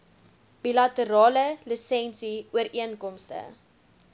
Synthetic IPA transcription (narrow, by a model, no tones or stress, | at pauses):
b̥ilɐtəɾɑːləlisɛnsiuəɾiənkɔmstə̰